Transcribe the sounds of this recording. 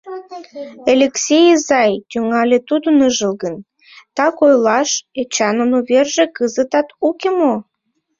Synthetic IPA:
elʲeksʲejzɑjt̪ʲyŋɑlʲet̪ud̪ənəʒəlɣən | t̪ɑkojlɑʃet͡ɕɑnənuβerʒekɨzət̪ɑt̪ukemo

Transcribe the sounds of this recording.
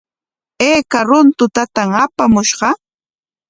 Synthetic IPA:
eːkaɾʊnt̪ʊt̪at̪aŋapamʊʃɢɑ

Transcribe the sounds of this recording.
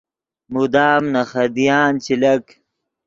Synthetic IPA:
mud̪aːmnɐxɐd̪ijaːnt͡ɕilɐk

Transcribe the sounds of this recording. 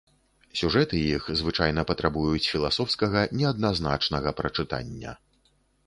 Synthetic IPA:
sʲuʐɛt̪ɨjixzvɨt͡ʂajnɐpɐt̪ɾabujut͡sʲfʲilˠasɔwskɐɣɐnʲɛɐd̪nazna̰t͡ʂnɐɣɐpɾɐt͡ʂɨt̪a̰nʲːɐ̰

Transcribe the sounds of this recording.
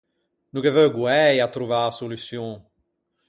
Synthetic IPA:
nukevœɡwɛjat̪ɾuvasolysjɔ̃

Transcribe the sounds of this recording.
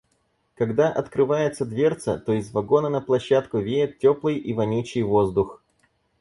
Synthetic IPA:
kɐɡd̪aʔɐt̪kɾɨvajɪt̪səd̪vʲe̞rt̪sə̰t̪oɪzvɐɡo̞nənəplˠɐɕːat̪kʊvʲejɪt̪̚tʲoplˠɨjʔivɐnʲut͡ɕɪjvo̞zd̪ʊx

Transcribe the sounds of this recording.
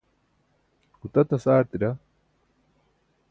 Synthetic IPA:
ʊt̪ɐt̪ɐsaːɾt̪ɪɾɐ

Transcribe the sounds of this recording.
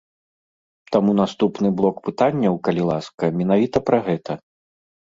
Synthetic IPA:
t̪amunast̪upnɨblˠɔkpɨt̪anʲːɐwkɐlʲilˠaskɐmʲɛn̪avʲit̪ɐpɾɐɣɛt̪ʰɐ

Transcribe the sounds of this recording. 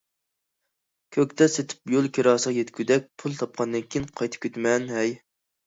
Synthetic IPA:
kʲʰøk̚ʲt̪ɛset̪ʰɪ̥pjolˠkʲeɾɑːsəʁɑjet̪kʲʰyd̪ɛk̚ʲpʰulˠt̪ʰɑp̚qʰɑnd̪ɨnkʲʰijinqʰɑjt̪ʰɪ̥p̚kʲʰøt̪mɛnɦɛj

